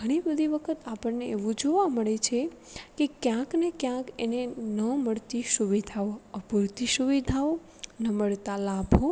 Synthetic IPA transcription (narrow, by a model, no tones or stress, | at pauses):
ɡʱəɽ̃ibəd̪ʱiʋəkʰət̪apəɳneeʋũd͡ʒoʋaməɭet͡ʃʰe | kekjãknekjãkenenəməɭt̪iʃuʋid̪ʱaoəpuɾt̪iʃuʋid̪ʱao | nəməɭt̪alabʱo